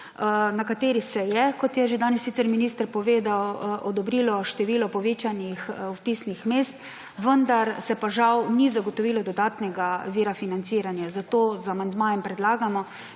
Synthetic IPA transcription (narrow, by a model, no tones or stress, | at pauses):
nakat̪eːɾisɛjɛkɔt̪jɛʒed̪aːnɛsːit̪sɛɾminist̪əɾpɔʋeːd̪awʔɔd̪ɔbɾiːlɔʃt̪ɛʋiːlɔpɔʋeːt͡ʃanixwpisnixmeːst̪ | ʋənd̪aɾsɛpaʒawnizaɡɔt̪ɔʋiːlɔd̪ɔd̪aːt̪nɛɡaʋiːɾafinant̪siːɾanjazat̪oːzamand̪maːjɛmpɾɛd̪laːɡamɔ